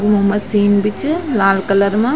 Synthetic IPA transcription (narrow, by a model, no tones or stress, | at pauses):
ɡɯmumɐsiːnbit͡ʃːɯlaːlkɐlɐɾma